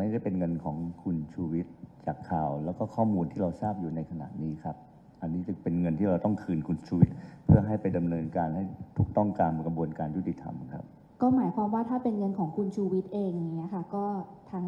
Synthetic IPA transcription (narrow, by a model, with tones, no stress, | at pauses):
ma˥˩jda˥˩jpe˧nŋɤ˧nkʰɔː˩˦ŋkʰu˧nt͡ɕʰuː˧wi˦˥t̪̚t͡ɕaː˨˩kʰːaː˨˩wlɛː˦˥wkɔː˥˩kʰɔː˥˩muː˧nt̪ʰiː˥˩ɾa˧wsaː˥˩p̚juː˨˩na˧jkʰa˧na̰˨˩t̪̚niː˦˥kʰɾa˦˥p̚ | ʔa˧nːiː˦˥sɯ˨˩ŋpe˧nŋɤ˧nt̪ʰiː˥˩ɾa˧wt̪ɔ˥˩ŋkʰɯː˧nkʰu˧nt͡ɕʰuː˧wi˦˥t̪̚pʰɯ˥˩ɐɦa˥˩jpa˧jda˧mnɤː˧nkaː˧nha˥˩jt̪ʰu˨˩k̚t̪ɔ˥˩ŋkaː˧mkɾa˧bu˧ənkaː˧nju˦˥t̪ːi˨˩t̪ʰa̰˧mkʰɾa˦˥p̚ | kɔː˥˩maː˩˦jkʰaː˧mwaː˥˩t̪ʰaː˥˩pe˧nŋɤ˧nkʰɔː˩˦ŋkʰu˧nt͡ɕʰuː˧wi˦˥t̪̚ʔeː˧ŋa˧ŋːi˦˥ɐkʰa˥˩kɔː˥˩t̪ʰaː˧ŋ